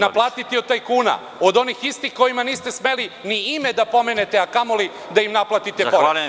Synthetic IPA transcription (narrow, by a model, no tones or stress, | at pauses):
naplˠaːt̪it̪iod̪̚t̪ajkuːna̰ | od̪o̞nixist̪ixko̞jimaniːst̪e̞smeliniimed̪apo̞mene̞t̪e̞akamoli | d̪aimnaplˠat̪it̪epoɾ